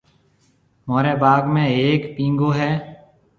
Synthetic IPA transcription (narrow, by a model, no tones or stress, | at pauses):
moːɾeːbaːɡmẽːeːkpĩːŋɡoːɦɛː